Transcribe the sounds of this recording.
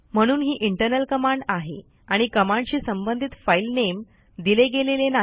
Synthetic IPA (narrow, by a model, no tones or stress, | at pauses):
m̤əɽ̃uːnɦiːʔiɳʈəɾnəlkəmaɳɖaɦḛ | aɽ̃ikəmãɳɖt͡ɕiːsəmbənd̪ʱit̪failnem | d̪ileɡelelena